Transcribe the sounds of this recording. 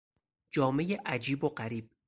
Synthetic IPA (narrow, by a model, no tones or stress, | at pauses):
d͡ʒɒːme̞jeʔæd͡ʒiːboɢæɾiːb̥̚